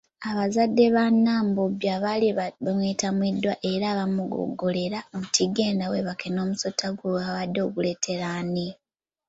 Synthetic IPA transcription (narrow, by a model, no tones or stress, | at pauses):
aβazadːe̞βanːaːmbobjaβaliβamweːtamwidwaʔe̞ɾaːβamuɡo̰ɡo̞le̞ɾaomutiɡe̞ːndaweβakʰeno̞ːmuso̞tʰːaɡoaβadːo̞kule̞tʰe̞ɾani